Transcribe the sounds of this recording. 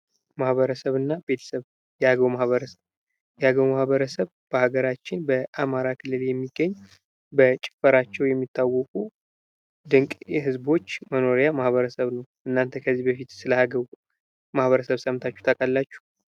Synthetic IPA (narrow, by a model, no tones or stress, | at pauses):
mahβəɾəsəβɨnːabe̞t̪ʰə̥səβ | jɛhaɡəβmahβəɾəsəβ | jɛhaɡəwmahbəɾəsəβ | b̥əhaɡəɾat͡ʃːɪnbəʔamaɾakʰɨlːɨljɛmːiɡːəɲː | bət͡ʃʼɪ̥fəɾat͡ʃːɛwjɛmːit̪ʰːawːɔkʼu | d̪ɨŋkʼjɛhɨzbo̞t͡ʃːməno̞ɾjamahβəɾəsəβnəwʔɨnːant̪ʰəkʰəzːibəfit̪sɨləhaɡə | mahβəɾəsəβsəmt̪ʰat͡ʃːu̥t̪ʰəkʼalːat͡ʃːu̥